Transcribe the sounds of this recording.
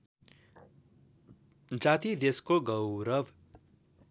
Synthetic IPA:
d͡zat̪id̪eskoɡʌwɾʌb

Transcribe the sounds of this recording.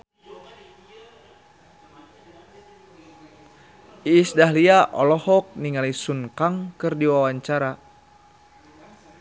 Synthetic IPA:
iːsdaɦliaʔɔ̰lɔhɔk̚niŋalisunkaŋkɨrdiwawaɲt͡ʃaɾa

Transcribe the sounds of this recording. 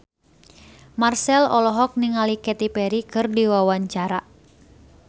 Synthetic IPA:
marsɛlɔlɔɦɔk̚niŋalikɛt̪ipɛɾikɨrdiwawaɲt͡ʃaɾa

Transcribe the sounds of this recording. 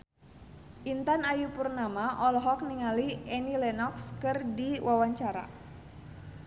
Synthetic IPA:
ʔint̪anajupurnamaʔɔlɦɔk̚niŋaliɛnilɛnɔkskɨrdiwawaɲt͡ʃaɾa̰

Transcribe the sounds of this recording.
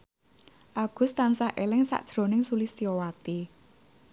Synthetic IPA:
ʔaɡ̥ʊ̤st̪ansahʔelɪŋsa̰ʔd̥ʒ̥ɾo̤nɪŋsulɪst̪iowat̪i

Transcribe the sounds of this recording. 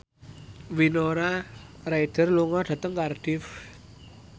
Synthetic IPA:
winoɾaraid̪̥ə̤rluŋɔɖ̪̥a̤t̪əŋkarɖ̥ɪf

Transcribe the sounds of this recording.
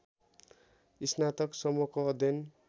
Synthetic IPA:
isnat̪ʌksʌmokoːd̪ʱjʌn

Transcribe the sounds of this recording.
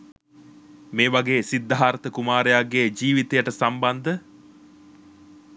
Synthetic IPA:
meːʋɐɡeːsid̪ːaɦaːɾɐt̪əkumaːɾejaɡːeːd͡ʒiːʋit̪ejɐʈəsambɐnd̪ə

